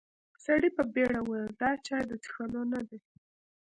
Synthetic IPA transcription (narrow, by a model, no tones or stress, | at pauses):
saɽipəbeɽawenld̪ɑt͡ʃɑjd̪ət͡sxanonad̪e